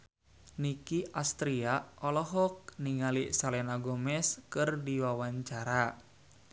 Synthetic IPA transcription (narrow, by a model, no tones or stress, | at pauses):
nikiʔast̪ɾiaɔlɔɦɔk̚niŋalisalɛnaɡɔmɛskɨrdiwawaɲt͡ʃaɾa